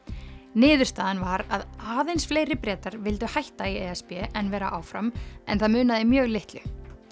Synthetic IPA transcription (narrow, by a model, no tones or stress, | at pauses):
nɪːðʏ̥t̪aːðanvaɾaðaːðejnsfleːjɾɪpɾɛːt̪aɾvɪlt̪ʏhajht̪aiɛɛspɛʔɛnvɛːɾa̰ʔaːwfɾamɛ̰nθaðmʏːnaðɪmjœːɣlɪht̪lʏ̰